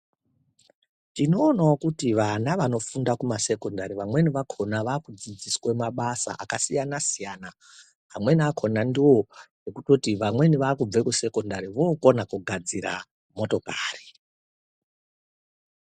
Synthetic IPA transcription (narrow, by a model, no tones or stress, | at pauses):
tino̞ːnaokutiʋanaʋano̞fundakumase̞ko̞ndaɾiʋamwe̞niʋakʰo̞naʋaːkud͡zid͡ziswemaɓasa̰ʔakasijanasijana | ɦamwe̞niakʰo̞nandiwo̞jekuto̞tiʋamwe̞niʋaːkub͡vekuse̞ko̞ndaɾiʋoko̞nakuɡʱad͡ziɾa̰ | mo̞to̞kaːri